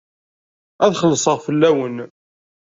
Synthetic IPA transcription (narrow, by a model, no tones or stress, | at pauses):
æðχəlːəsˤəʁfəlːæwən